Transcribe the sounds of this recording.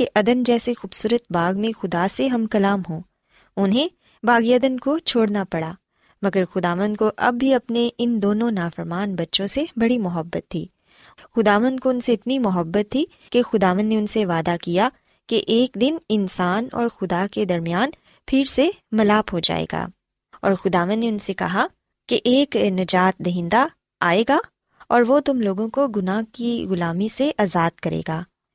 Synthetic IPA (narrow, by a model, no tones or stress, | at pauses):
eʔɐd̪ənd͡ʒɛːsexuːbsuːɾət̪̚baːɡmẽxʊd̪aseɦɐmkɐlaːmɦõː | ʊnɦẽ | baːɡiɐd̪ənkot͡ʃʰoːɽnapɐɽaː | mɐɡəɾxʊd̪aːʋə̃nd̪̚koʔɐ̰bːiɐpneɪnd̪oːnõnaːfəɾmaːnbɐtːʃõsebɐɽimʊɦəbːət̪ʰːḭː | xʊd̪aːʋə̃nd̪̚koʊnseɪt̪nimʊɦəbːət̪ʰːi | kexʊd̪aːʋə̃nd̪neʊnseʋaːd̪akija | keʔeːkd̪ɪnɪnsaːnɔ̰ːɾxʊd̪aked̪ɐɾmijaːn | pʰɪɾsemɐlaːpɦod͡ʒa̰ːḛːɡa̰ː | ɔ̰ːɾxʊd̪aːʋə̃nd̪neʊnsekɐ̰ɦa | keʔeːknɐd͡ʒaːt̪̚d̪ɐɦɪ̃nd̪a | aːeːɡaː | ɔːɾʋot̪ʊmloːɡõkoɡʊnaːɦkiɣʊlaːmiseʔaːzaːd̪̚kɐɾḛːɡaː